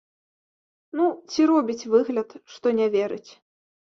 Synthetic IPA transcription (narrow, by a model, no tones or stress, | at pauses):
nut͡sʲiɾɔbʲit͡sʲvɨɣlʲɐt̪ʂt̪ɔnʲɛvʲɛɾɨt͡sʲ